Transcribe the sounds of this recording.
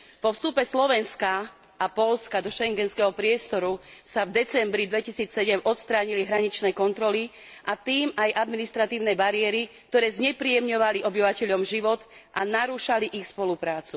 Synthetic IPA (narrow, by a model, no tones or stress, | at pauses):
pɔfst̪upɛslɔʋɛnska | ʔapɔʎskad̪ɔʃɛŋɡɛnskɛɦɔpɾɪɛst̪ɔɾusavd̪ɛt͡sɛmbɾid̪ʋɛcisiːt͡ssɛɟɛmʔɔt̪st̪ɾaːɲiliɦɾaɲit͡ʃnɛːkɔnt̪ɾɔli | ʔat̪iːmajʔad̪minist̪ɾat̪iːʊnɛːbaɾiɛɾik̚t̪ɔɾɛːzɲɛpɾiɛmɲɔʋaliʔɔbiʋacɛʎɔmʒiʋɔt̪ʔanaɾuʃaliʔixspɔlupɾaːt͡su̥